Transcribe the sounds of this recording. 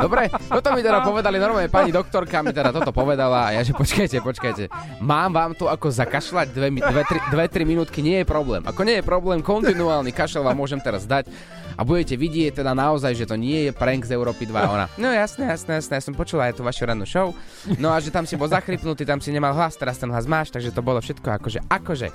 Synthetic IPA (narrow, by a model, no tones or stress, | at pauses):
d̪ɔbɾɛt̪ɔt̪ɔmit̪ɛd̪apɔʋɛd̪alinɔɾmalɲɛpaɲid̪ɔk̚t̪ɔɾkamit̪ɛd̪at̪ɔɔt̪ɔpɔʋɛd̪ala̰jaʒɛpɔt͡ʃkajcɛpɔt͡ʃkajcɛ | maːmʋaːmt̪ɔakɔzakaʃlaɟd̪ʋɛmd̪ʋɛt̪ɾid̪ʋɛt̪ɾiminuːt̪kiɲɪɛjɛpɾɔblɛ̰ːmʔa̰kɔɲɪɛjɛpɾɔblɛːmkɔnt̪inuaːlnikaʃɛlʋaːmːʊɔʒɛmt̪ɛɾazd̪ac | ʔa̰buɟɛcɛʋiɟɪɛc̚t̪ɛd̪anaɔzajʒɛt̪ɔɲɪɛjɛpɾɛŋɡzɛʊɾɔːpid̪ʋa̰ɔna̰nɔjasnɛjasnɛjasnɛjasɔmpɔt͡ʃulaajt̪uːʋaʃuɾad̪uʃɔʊ | nɔaʒɛt̪amsibɔlzaxɾipnut̪iːt̪amsiɲɛmalɦlast̪ɛɾast̪ɛnɦlazmaːʃt̪aɡʒɛt̪ɔbɔlɔfʃɛt̪kɔakɔʒɛ̰ʔakɔʒɛ̰